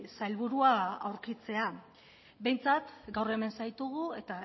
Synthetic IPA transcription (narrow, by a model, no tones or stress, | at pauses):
sajlβuɾuaawɾkit͡se̞a | be̞jnt͡sat̪ɡawre̞me̞nsajt̪uɣ̞ue̞t̪a